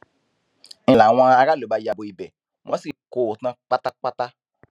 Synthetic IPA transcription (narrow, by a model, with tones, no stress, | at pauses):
la˨w̃ã˧a˧ɾa˦˨lo˨˦ba˧ja˧bo˧i˨bɛ˨ | w̃ʔɔ̃˨˦si˦˨ko˨tã˧˦k͡pa˦ta˦k͡pa˦ta˦